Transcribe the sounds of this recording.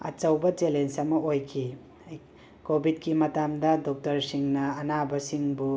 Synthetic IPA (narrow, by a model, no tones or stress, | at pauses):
ɐ̰t͡ʃɐwbɐt͡ʃelensɐmɐojkʰi | kobʱid̚kimɐtamdɐdɔk̚tɐɾsiŋnɐːnabɐsiŋbu